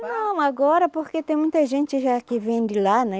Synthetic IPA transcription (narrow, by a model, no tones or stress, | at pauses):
nɐ̃w̃aɡɔɾɐpoɾket̪ẽj̃mũj̃t̪ɐʒẽnt͡ʃ̪ɪʒakɪvẽj̃d̪ɪlanɛ